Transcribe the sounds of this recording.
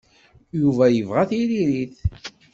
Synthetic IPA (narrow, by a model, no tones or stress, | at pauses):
juvæjəvʁæθiɾiɾiθ